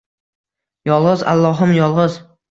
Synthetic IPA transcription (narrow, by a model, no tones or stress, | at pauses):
jɒlˠʁɨza̰lˠːɒɦɪmjɒlˠʁɨz